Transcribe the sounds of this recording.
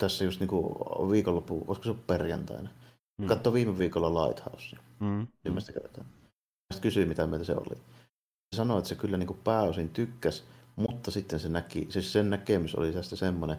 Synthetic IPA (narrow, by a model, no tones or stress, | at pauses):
t̪æsːæjust̪niːŋkuʋiːkolːopːṵʔo̰ˑeskoseolupperjɑ̰nt̪ɑ̰ˑene | kɑt̪ːoʋiːmeʋiːkolːɑlɑˑit̪hɑ̰ˑosːiymːæst̪ækḛˑt̪ɑ̰n | æst̪kysyimmit̪æmeˑilt̪æsḛo̰lːḭ | sɑnoet̪ːæsekylːæniːŋkuppæˑːosint̪ykːæsmut̪ːɑsit̪ːensenækḭsesennækemyso̰lit̪æst̪æsemːone